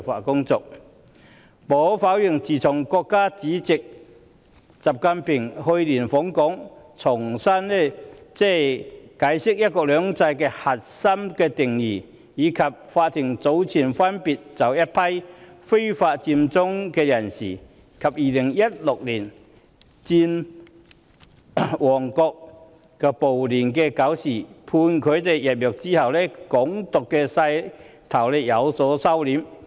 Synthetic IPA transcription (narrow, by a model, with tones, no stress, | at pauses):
fa̰ː˨˧kʊ˥ŋt͡sɔ˧k̚ | pɔː˨˦faː˨˥wjɪ˨˩ŋt͡siː˨˩t͡sʰʊ˨˩ŋkɔː˧kːaː˥t͡siː˨˥t͡sɪ˨k̚ | t͡sa˨p̚ka˧npʰɪ˨˩ŋhɵ˧jliː˨˩nfɔː˨˥ŋkɔː˨˥ŋ | t͡sʰʊ˨˩ŋsɐ˥nlɛ˥˩t͡sɛ˥˩kaː˨˥jsɪ˥k̚jɐ˥t̚kɔː˧k̚lœː˨˥ŋt͡sɐ˧jkɛː˧hɐ˨t̚sɐ˥mkɛː˧t̪ɪ˨˩ŋjiː˨˩ | jiː˨˧kʰɐ˨p̚faː˧t̚t̪ʰɪ˨˩ŋt͡so˨˥wt͡sʰiː˨˩nfɐ˥npiː˨t̚t͡sɐ˨˩wjɐ˥t̚pʰɐ˥jfe˥jfaː˧t̚t͡siː˧mt͡sʊ˥ŋkɛː˧jɐ˨˩nsḭː˨˩ | kʰɐ˨p̚jiː˨˩lɪ˨˩ŋjɐ˥t̚lʊ˨k̚liː˨˩n | t͡siː˧n | wɔː˨˩ŋkɔː˧k̚ | kɛ˧po˨˩wliː˨˩nkɛː˧kɐ˨˥wsiː˨˩pʰuː˧nkʰɵ˨˧ɥt̪e˨jjɐ˨˩p̚jœː˨k̚t͡siː˥hɐ˨˩wlɛː˥kʊ˨˥ŋt̪ʊ˨kːɛː˧sɐ˧j | t̪ʰɐ˨˩wlɛ˧˥jɐ˨˧wsɔː˨˥sɐ˥wliː˨˥m